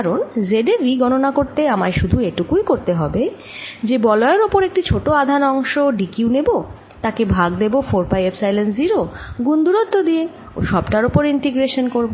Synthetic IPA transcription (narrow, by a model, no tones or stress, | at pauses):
kaɾonzeɖeɾːiɡɔnonakoɾt̪eamaɾʃud̪ʱueʈukujkoɾt̪eɦɔbe | d͡ʑebɔlɔeɾopoɾek̚ʈit͡ɕʰoʈoad̪ʱanɔŋʃoɖikiunebo | t̪akebʱaɡd̪ebofoɾpajepsajlensziɾoɡund̪uɾot̪ːod̪ie | o̰ʃɔbʈaɾopoɾiɳʈeɡɾeʃonkoɾbo